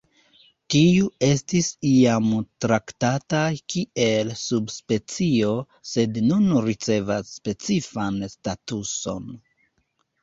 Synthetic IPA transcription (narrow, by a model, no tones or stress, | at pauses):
tiue̞stisiamtɾaktatakie̞lsubspe̞t͡sio̞ | se̞dnunɾit͡se̞vasːpe̞t͡sifanstatuso̞n